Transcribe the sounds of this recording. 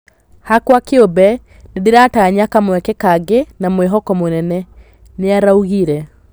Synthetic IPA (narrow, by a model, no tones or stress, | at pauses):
hakwakeobɛ | nedeɾataɲakamwɛkɛkaɡenamweɦɔkɔmonɛnɛ | neaɾauɣiɾɛ